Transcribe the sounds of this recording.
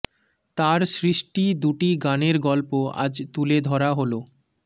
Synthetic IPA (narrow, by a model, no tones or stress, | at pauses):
t̪aɾsɾiʃʈid̪uʈiɡaneɾɡɔlpoa̰d͡ʑt̪uled̪ʱɔɾaɦolo